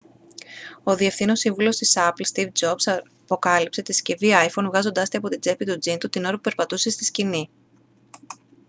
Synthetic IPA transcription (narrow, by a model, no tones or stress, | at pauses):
o̞ðie̞fθino̞siɱvulo̞st̪isɐplst̪ivd͡zops | po̞kɐlipse̞t̪isce̞viɐjfo̞nvɣɐzo̞nd̪ɐst̪iɐpo̞t̪id͡ze̞pit̪ud͡zint̪ut̪ino̞ɾɐpupe̞ɾpɐt̪use̞st̪iscini